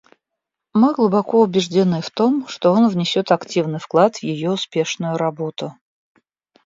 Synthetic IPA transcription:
mɨɡlˠʊbɐkoʊbʲɪʐdʲɪnɨft̪omʂt̪o̞onvnʲɪsʲot̪ɐktʲivnɨjfklˠat̪vjɪjoʊspʲe̞ʂnʊjʊɾɐbo̞t̪ʊ

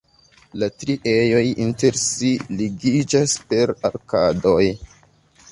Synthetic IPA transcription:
latɾiʔejo̞jḭnte̞ɾsiliɡid͡ʒaspe̞ɾa̰ɾkado̞j

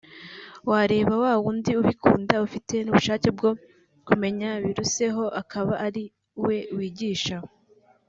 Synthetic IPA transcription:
waɾe̞ːβawaːwuːndiuβikʰuːndaufite̞nuːβuʃaːce̞bɡo̞ | kume̞ɲaβiɾuse̞ɦo̞ʔakʰaβaʔːɾi | we̞wiːɟiːʃa

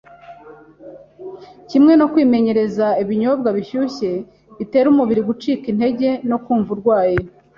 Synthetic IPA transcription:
cimŋe̞no̞kwiːme̞ɲe̞ɾe̞zaiβiɲo̞b̚ɡaβiçuçe̞ | βite̞ːɾumuβiɾiɡut͡ʃiːkin̥he̞ɟe̞no̞kuːɱvuɾɡwaːje

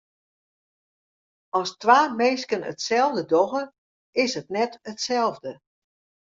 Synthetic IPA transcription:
ɔstʋaːmeːskənə̰tsɛlˠvdədɔɣə | ɪsɦətnɛtətsɛlˠvdə

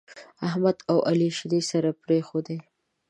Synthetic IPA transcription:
ahmad̪awaliʃɪd̪isaɾapɾexod̪e

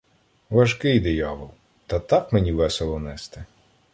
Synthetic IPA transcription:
ʋɐʒkɪjd̪ejɑʋʊw | t̪ɐt̪ɑkmenʲiʋɛselˠɔnɛst̪ɪ

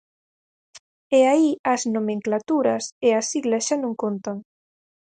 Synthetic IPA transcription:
eaiɐsnomẽŋklat̪uɾɐseasiɣlɐsʃanõŋkont̪aŋ

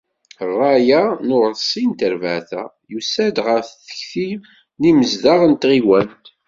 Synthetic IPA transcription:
rˤːɑjanʊʁsˤːint̪əɾvəʕθæ̰ | jusæd̪ʁəɾθθə̥çθi | niməzðɑʁənt̪ʁiwænt̪

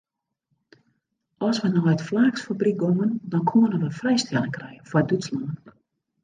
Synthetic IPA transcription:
ɔsʋənɔjətflaːksfabrik̚ɡoməndɔnkʰuənəʋəfrɛjstɛləŋkrɛjənfɔdyslɔŋən

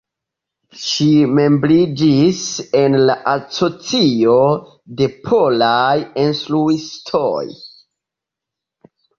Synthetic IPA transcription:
ʃime̞mblid͡ʒise̞nlaʔasot͡sio̞ | de̞pʰolajinstluistʰo̰j

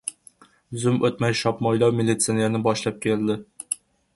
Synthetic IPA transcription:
zɵmɵt̪mæjʃɒpmɒjlˠɑwmʲɪlʲːit̪sɨnænɘbɒʃlˠɑp̚kʲeld̪ɘ

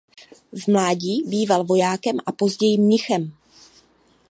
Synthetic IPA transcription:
zmlaːɟiːbiːvalvo̞jaːkɛmʔapo̞zɟɛjiːmɲɪxɛm

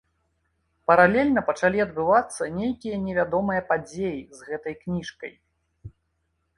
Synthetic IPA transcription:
pɐɾalʲɛlʲnɐpɐt͡ʂalʲiɐd̪̚bɨvat̪sːɐnʲejkʲijɐnʲɛvʲad̪ɔmɨjɐpad͡zʲejizɣɛt̪ɐjknʲiʂkɐ̰j

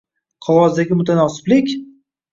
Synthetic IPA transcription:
qʰɒʁɒzd̪aɡʲɪmʊt̪ʰanɒsɪ̥blɪkʲ

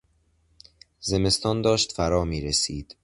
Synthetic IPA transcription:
ze̞me̞st̪ɒːnd̪ɒːʃt̪fæɾɒːmiːɾesiːd̪̥

